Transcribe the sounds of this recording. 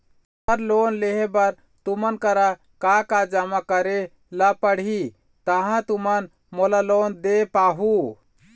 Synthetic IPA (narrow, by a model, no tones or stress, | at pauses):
səɾlonleɦebəɾ | t̪umənkəɾa | kakad͡ʒamakəɾe | lapəɽ̤i | t̪əɦãt̪umən | molalond̪epaɦu